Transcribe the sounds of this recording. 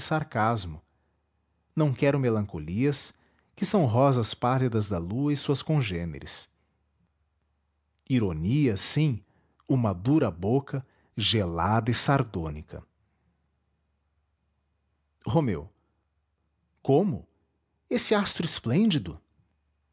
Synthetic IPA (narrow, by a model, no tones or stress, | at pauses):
saɾkazmʊ | nɐ̃w̃kɛɾʊ̃melɐ̃koliɐs | kɪsɐ̃w̃ɦɔzɐspalid̪ɐzd̪ɐluɐisuɐskõʒẽnḛɾɪ̰s | iɾoniɐsĩ | umɐd̪uɾɐbokɐ | ʒelad̪ɐɪsaɾd̪õnikʰɐ̰ | homḛw | kõmʊ | esɪast̪ɾʊɪsplẽnd͡ʒid̪ʊ